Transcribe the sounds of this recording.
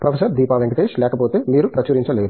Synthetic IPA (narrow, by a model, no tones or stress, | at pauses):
pɾɐfʰesɐɾd̪iːpaːʋeŋɡɐt̪eːʃlɛːkɐpoːt̪e̞ːmiːɾupɾɐt͡ʃɐɾiɲt͡ʃɐleːɾu